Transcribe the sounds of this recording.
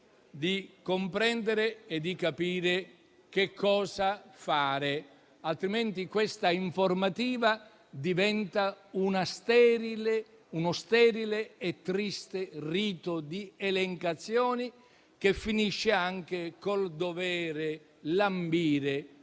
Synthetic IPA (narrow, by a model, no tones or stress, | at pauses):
d̪ikompɾɛnd̪eɾeɛd̪ikapiːɾe | k̟ekʰːɔːzafaːɾɪ | alt̪ɾiment̪ikwest̪aiɱformat̪iːva | d̪ivɛnt̪aunast̪ɛːɾile | unost̪ɛːɾileɛt̪ːɾist̪eriːt̪od̪iɛleŋkat̪sːjɔːni | kefːiniʃːeaŋk̟ekold̪ovɛːɾe | lambiːɾe